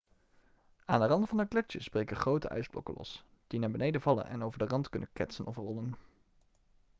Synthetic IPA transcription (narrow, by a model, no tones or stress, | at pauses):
a̰ːndərɑndəfɑnəklɛt͡ʃəsbrejkəχrowtə̰ʔœ̰ɥsblɔ̰kə̰lɔ̰s | d̥inaːɹbənejdəvɑlə̰nʔɛ̰nowvəɹdərɑntkɵnənkɛtsənɔfrɔlən